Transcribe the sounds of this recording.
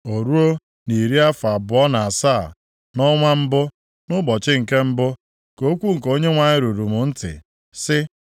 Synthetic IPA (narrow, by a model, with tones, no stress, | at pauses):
o˨ɾu˦o˦ | ni˨ɾi˦a˦fa˨bʊ˨ɔ˦na˨a˨sa˦˨ | nɔ˦ŋʷa˦m̩˦bʊ˦ | nʊ˦bɔ˨t͡ʃɪ˦ŋ̩˨ke˦m̩˦bʊ˦ | ko˦kʷu˦ŋ̩˨ko˦ɲe˦ŋʷa˨ɲɪ˦ɾu˨ɾu˨mʊ˨n̩˦tɪ̰˨ | sɪ˦